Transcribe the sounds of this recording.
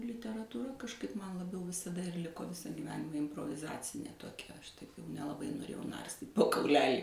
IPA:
lʲɪtʲɛrɐtuːˈrɐ kɐʃˈkɐɪp ˈmɐn lˠɐˈbʲɛʊ ʋʲɪsɐˈdɐ ɪr ˈlʲɪkoː ˈʋʲɪsɐ ɡʲiːˈʋʲæːnʲɪmɐ ɪmproːʋʲɪˈzɑːt͡sʲɪnʲeː toːˈkʲɛ ˈɐʃ tɐɪ nʲɛlˠɐˈbɐɪ noːˈrʲeːjɛʊ ˈnɐrʲsʲtʲiːtʲ poː kɐʊˈlʲæːlʲiː

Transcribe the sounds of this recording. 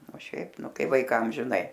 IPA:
oː ˈʃʲɛɪp ˈnʊ ˈkɐɪ ʋɐɪˈkɐm ʒʲɪˈnɐɪ

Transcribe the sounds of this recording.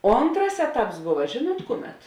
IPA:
ˈoːntrɐs ˈæːˌtɐps ˈbʊʋɐ ˈʒʲeːˌnuɔt ˈkʊˌmʲɛt

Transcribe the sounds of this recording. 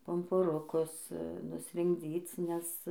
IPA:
pʊmpʊˈrʊkʊs nʊsʲrʲɪŋɡˈd͡zʲiːt͡s nʲɛs

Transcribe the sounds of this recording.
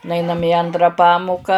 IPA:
nʊˈɐɪnɐm ɪ ˈɐntrɐ ˈpɑːmʊkɐ

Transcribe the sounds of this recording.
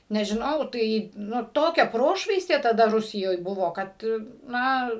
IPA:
nʲɛʒʲɪˈnɐʊ ˈtɐɪ ˈnʊ ˈtoːkʲɛ ˈproːʃʋɐɪsʲtʲeː tɐˈdɐ ˈrʊsʲɪjoːj ˈbʊʋoː ˈkɐt ˈnɐ

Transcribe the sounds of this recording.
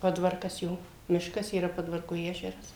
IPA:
ˈpoːdʋɐrkɐs ˈjoː ˈmʲɪʃkɐs iːˈrɐ ˈpoːdʋɐrkʊ ˈæːʒʲɛrɐs

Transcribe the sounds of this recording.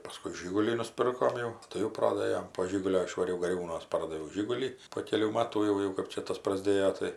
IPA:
pɐˈskʊɪ ˈʒʲɪɡʊlʲiː nʊˈsʲpʲɪrkoːm jɛʊ ˈtɐɪ jɛʊ ˈproːdɘjoːm poː ˈʒʲɪɡʊlʲoː ɪʃʋɐˈrʲɛʊ ɡɐˈrʲuːnuɔs ˈpɐrdɐʋʲɛʊ ˈʒʲɪɡʊlʲiː poː ˈkʲæːlʲuː ˈmɑːtuː jɛʊ ˈjɛʊ kɐp ˈt͡ʃʲɛ ˈtɐs prɐˈzʲdʲeːjoː tɐɪ

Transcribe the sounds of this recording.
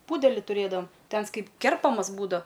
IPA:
ˈpuːdʲɛlʲɪ tʊˈrʲeːdɐʋɐm ˈtɐɪ ˈɐns ˈkɐɪp ˈkʲɛrpɐmɐs ˈbuːdɐw

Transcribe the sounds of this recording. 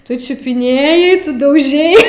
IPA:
tʊ t͡ʃʲʊpʲɪˈnʲeːjɛɪ ˈtʊ dɐʊˈʒʲɛɪ

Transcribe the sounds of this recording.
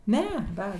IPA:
ˈnʲɛ ˈdɐ

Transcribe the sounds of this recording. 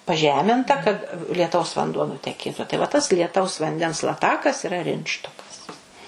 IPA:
pɐˈʒʲæːmʲɪntɐ kɐt lʲiɛˈtɐʊs ʋɐnˈduɔ nʊtʲɛˈkʲeːtʊ tɐɪ ʋɐ tɐs lʲiɛˈtɐʊs ʋɐnʲˈdʲɛns lˠɐˈtɑːkɐs iːˈrɐ ˈrʲɪntʃtoːkɐs

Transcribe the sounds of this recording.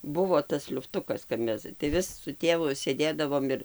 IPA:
ˈbʊʋoː tɐs lʲʊfˈtʊkɐs kɐp ˈmʲɛs tɐɪ ˈʋʲɪs sʊ ˈtʲeːʋʊ sʲeːˈdʲeːdɐʋoːm ɪr

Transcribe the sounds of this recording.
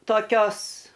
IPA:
toːˈkʲoːs

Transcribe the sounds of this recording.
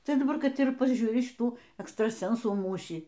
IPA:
ˈtɐɪ dɐˈbɐr ˈkɐt ɪr pɐˈʒʲuːrʲɪ ʃʲɪˈtuː ɛkstrɐˈsʲɛnsuː ˈmuːʃʲiː

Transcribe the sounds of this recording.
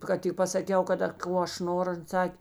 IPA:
ˈkɐt tʲɪk pɐsɐˈkʲɛʊ kɐˈdɐ ˈkoː ɐʃ ˈnoːrʊ ˈɐn ˈsɑːkʲeː

